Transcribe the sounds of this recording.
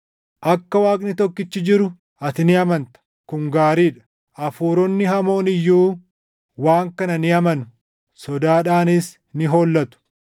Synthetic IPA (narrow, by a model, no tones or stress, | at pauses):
ʔɐkːɐwaːknɪt̪ɔkːɪt͡ʃːɪd͡ʒɪɾʊ | ʔɐt̪ɪnɪɐmɐnt̪ɐ̥ | kʊŋɡaːɾiːᶑɐ̥ | ɐfuːɾɔnːɪɦɐmo̞ːnɪjːuː | waːŋkɐnɐnɪɐmɐnʊ̥ | sɔd̪aːᶑaːnɪs | nɪɦo̞ːlːɐt̪ʊ̥